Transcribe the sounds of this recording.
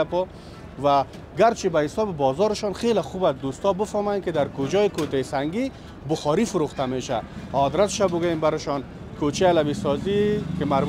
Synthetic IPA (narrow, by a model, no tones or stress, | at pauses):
apɔ | va | ɡaɾt͡ʃʰibahɪsɔːbɪbɔzɔɾɪʃɔnχelaχubasd̪ust̪ɔbɪfɔmɔjankɪd̪aɾkʊd͡ʒɔjikot̪asaŋɡi | bʊχɔɾifʊɾuχt̪ameʃa̰ɔd̪ɾat̪ʃabʊɡajembaɾɪʃɔn | kʰot͡ʃialaβisɔzikɪmaɾb